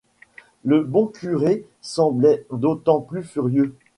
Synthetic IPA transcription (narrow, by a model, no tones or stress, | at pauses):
ləbɔ̃kʰʲyʁe | sɑ̃blɛd̪ot̪ɑ̃plyfyʁjø